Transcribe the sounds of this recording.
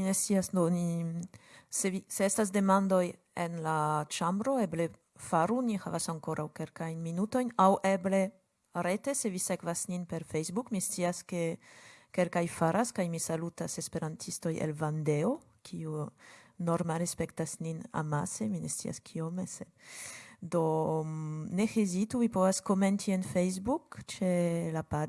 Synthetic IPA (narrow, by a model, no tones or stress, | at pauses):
minest̪siasdoni | seviseestas̬d̪e̞mand̪o̞j | enlat͡ʃambɾo̞eble | faɾunihavasaŋkoɾʔawkelkajnminuto̞jnawʔeble | ɾet̪esevisekvasninpeɾfejzbukmistiaskekelkajfaɾʔaskajmisalut̪asespeɾant̪ʰist̪ojḛlvand̪eo | kʰiunoɾmalespekt̪asnina̰maseminest̪ia̰skʰiomese | d̪o | nexezit̪uvipovaskoment̪ʰienfejzbukt͡ʃelapad